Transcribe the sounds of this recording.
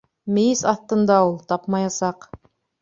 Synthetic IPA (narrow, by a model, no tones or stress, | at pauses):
mɘ̆jɘsɑθt̪ːɤ̆nd̪ɑulˠt̪ɑpmɑjɑsɑq